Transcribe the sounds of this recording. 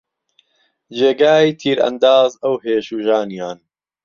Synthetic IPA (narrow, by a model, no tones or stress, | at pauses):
d͡ʒeːɡaːit̪ʰiːɾɐ̰nd̪aːzɐwɦeːʃuːʒaːnijaːn